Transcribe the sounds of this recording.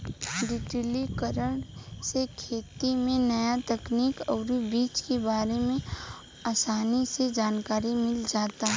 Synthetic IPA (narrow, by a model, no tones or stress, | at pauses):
ɖɪʈilikəɾəɳ̃sekʰeːt̪imẽnɐjat̪ɐkniːkɔːɾibiːt͡ʃkebaːɾemẽ | aːsaːnised͡ʒaːnkaːɾimɪld͡ʒaːt̪aɦ